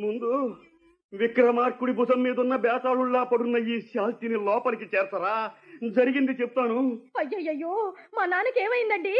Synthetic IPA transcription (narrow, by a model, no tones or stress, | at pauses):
mund̪u | ʋikɾɐmaːɾkuɽibud͡ʒɐmːiːd̪ɐunːɐbɛːsaːɭuɭːaːpɐɽunːɐjiːʃaːlt̪inilɔːpɐnikit͡ʃɛːɾɐsɐɾaːd͡ʒɐɾiɡind̪it͡ʃɛpu̥t̪aːnuɐjːɐjːɐjːoːmɐnaːnikeːmɐjind̪ɐɳɖi